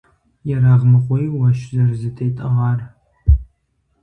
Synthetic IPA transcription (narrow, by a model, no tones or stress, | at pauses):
jɛraːʁmɨqʷɔjwɐʃzɐrzɨtʰejtʼɐʁɑːr